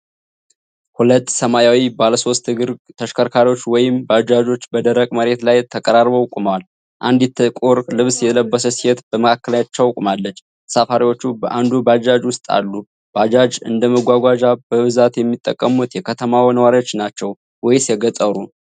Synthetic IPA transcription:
hulət̪ːsəmajawibaləso̞st̪ɨɡɨɾt̪ʰəʃkʰəɾkʰaɾiwo̞t͡ʃːwɔjɪmbəad͡ʒad͡ʒo̞t͡ʃːbəd̪əɾəkʼməɾe̞t̪lajt̪ʰəkʼəɾarbowkʼumwal | ʔa̰nd̪it̪ʰːəkʼoɾlɨβsjɛləbːəsəsihɛt̪b̥əməkʰakːəlaɲat͡ʃːawkʼumalːət͡ʃː | safaɾiwo̞t͡ʃːubəʔand̪ubad͡ʒad͡ʒwʊst̪ʼa̰lːu | b̥ad͡ʒad͡ʒɨnd̪əməɡʷaɡʷad͡ʒabəβɨzat̪jɛmːit̪ʼːə̰kʼːəmut̪jɛkʰət̪ʰəmawnəwaɾio̞t͡ʃːnat͡ʃːɛw | wɔjsiɛɡət̪ʼəɾu

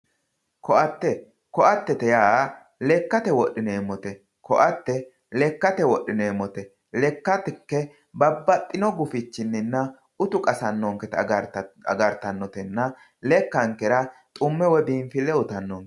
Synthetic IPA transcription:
kɔʔɐt̪ːɛ | kɔʔɐt̪ːɛt̪ɛjaː | lɛkːɐt̪ɛwɔʔːɪneːmːɔt̪ɛ | kɔʔɐt̪ːɛ | lɛkːɐt̪ɛwɔʔːɪneːmɔt̪ɛ | lɛkːɐt̪ɛkːɛ | bɐbːɐt̪ʼːɪnɔɡʊfɪt͡ʃːɪnːɪnːɐ | ʊt̪ʊkʼɐsɐnːɔŋkɛt̪ | ɐ̰ɡɐɾt̪ːɐnːɔt̪ɛnːɐ | lɛkːɐŋkːɛɾɐt̪ʼʊmːɛwɛbiːmfɪlɛʊt̪ɐnːɔŋkɛ̥

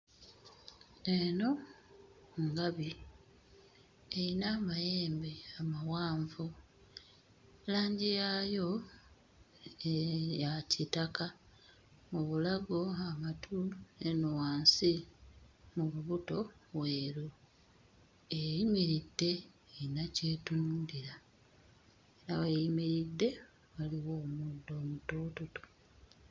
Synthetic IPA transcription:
eno̞ | ŋɡaβi | einaːmajeːmbeamawaːɱvu | laːɲɟijajo̞ | jacitaka | muβulaɡo̞amatʰuenuwaːnsi | muluβuto̞βweːɾu | ejimiɾidːe̞ː | nacetunuːndiɾa | eɾawejimiɾidːe̞ | βaliwo̞ːmudo̞ːmutoːtoto̥

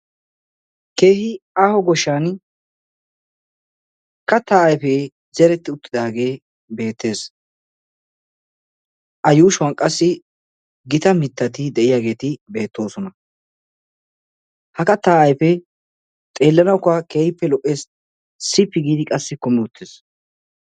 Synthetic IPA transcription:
ke̞ːhɪaːhɔɡɔʃːaːn | kɐt̪ːaːʔɐjfeː | zɛɾɛt̪ːɪʊt̪ːɪd̪aːɡe̞ː | be̞ːt̪ːe̞ːs | ʔɐjuːʃʊwankʼːɐsːɪ | ɡɪt̪ɐmɪt̪ːɐt̪ɪd̪ɛʔɪjaːɡe̞ːt̪ɪbe̞ːt̪ːo̞ːsɔnɐ | hɐkɐt̪ːaːɐjfɛ | t̪ʼeːlːɐnɐkʊake̞ːhɪpːɛlɔʔʼːeːs | sɪpːɪɡiːd̪ɪkʼɐsːɪkʊmɛʊt̪ːɪs

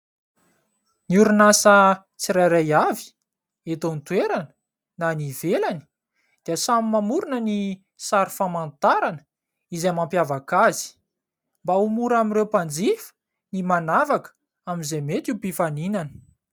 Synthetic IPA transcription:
niuɾunasə | t͡siɾajɾajavi̥ | et̪ont̪weɾanə̥ | nanivelani̥ | d̪̥iəsamimamuɾunəni | saɾifamant̪aɾanə̥ | izamampjavakazi̥ | mbaumuɾamiɾewpand͡zifə̥ | nimanavakə̥ | amizemet̪upifaninanə

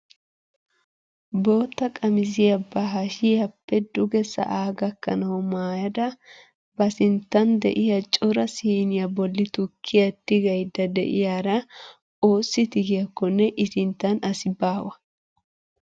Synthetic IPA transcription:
bo̞ːt̪ːɐkʼɐmɪzɪjɐbɐɦɐʃɪjɐpːɛd̪ʊɡɛsɐ̰ʔaːɡɐkːɐ̰nɐwɔmaːjɐd̪ɐ | bɐsɪnt̪ːɐnd̪ɛ̰ʔɪjɐt͡ʃʼʊɾɐsiːnɪjɐbɔlːɪt̪ʊkʰːɪjɐt̪ːɪɡɐjd̪ɐd̪ɛ̰ʔɪ̰jaːɾɐ | oːsːɪt̪ɪɡɪjɐkːɔnːɛʔɪsɪnt̪ːɐnɐsɪbaːwɐ

